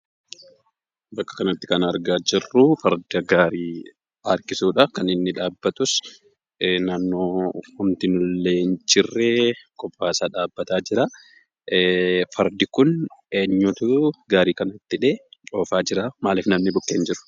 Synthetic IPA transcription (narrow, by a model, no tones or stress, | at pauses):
bɐkːɐ̥kɐnɐt̪ːɪ̥kɐnɐɾɡaːd͡ʒɪrːʊfɐɾd̪ɐɡaːɾiː | ɐɾkɪsuːᶑɐkɐnɪnːɪᶑaːbːɐt̪ʊs | naːnːoːhʊmt̪ɪnʊlːeːnt͡ʃɪrːɛkɔpːaːsaːᶑaːbːɐt̪aːd͡ʒɪɾaː | fɐɾd̪ɪkʊneːɲːʊt̪ʊɡaːɾiːkɐnɐt̪ːɪᶑeːoːfaːd͡ʒɪɾamaːleːfnɐmnɪbʊkːeːnd͡ʒɪɾʊ̥